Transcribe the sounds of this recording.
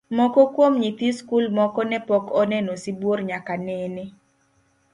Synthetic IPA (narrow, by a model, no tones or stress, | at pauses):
mɔkɔkwomɲit̪iskulmɔkɔnɛpɔkʰɔnɛnɔsibworɲakanɛnɛ